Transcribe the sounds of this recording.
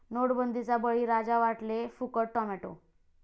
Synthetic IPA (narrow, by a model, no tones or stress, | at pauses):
noɽbənd̪ʱit͡sabəɭiːɾad͡zaʋaʈlefukəʈʈɔmɛʈo̰